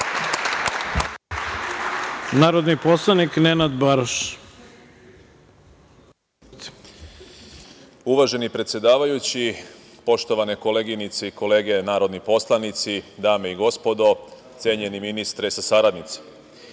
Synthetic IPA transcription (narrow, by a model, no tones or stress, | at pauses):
naːɾod̪niposlˠaniknenad̪baɾoʃ | uʋaʒe̞nipɾet̪sje̞d̪aːʋajut͡ɕi | po̞ʃt̪o̞ʋaneko̞leːɡinit̪seiko̞le̞ːɡe̞naːɾo̞d̪nipo̞slˠanit̪sid̪aːmeiɡo̞spo̞d̪o̞ | t̪sʲje̞ɲe̞niminist̪ɾesasaɾad̪nit̪si̥